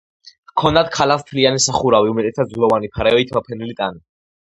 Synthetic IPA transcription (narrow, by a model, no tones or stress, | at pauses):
kʰɔnd̪ad̪̚kʰalast̪ʰlianisaχuɾaviumɛt̪ʼɛt̪ʰad̪zlˠɔvanipʰaɾɛɔit̪ʰmapʰɛnilit̪ʼani